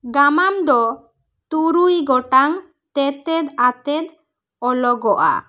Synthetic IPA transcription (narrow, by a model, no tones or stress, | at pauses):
ɡamamd̪ɔ | t̪uɾujɡɔʈaŋ | t̪ɛt̪ɛd̪at̪ɛd̪ | ɔlɔɡɔʔa̰